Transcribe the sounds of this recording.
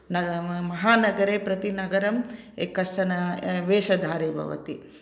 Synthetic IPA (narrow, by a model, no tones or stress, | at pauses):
nɐmɐɦaːnɐɡɐɾeːpɾɐt̪inɐɡɐɾɐm | ekɐsʈɐnɐʋeːʃɐd̪ʱaːɾeːbʱɐ̰ʋɐ̰t̪i